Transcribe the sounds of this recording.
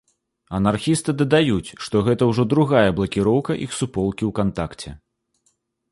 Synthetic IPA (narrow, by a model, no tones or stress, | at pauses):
ɐnarxʲist̪ɨd̪ɐd̪ajut͡sʲʂt̪ɔɣɛt̪ɐwʐɔd̪ɾuɣajɐblˠɐkʲiɾɔwkɐʔixsupɔlˠkʲiwkant̪akt͡sʲɛ̰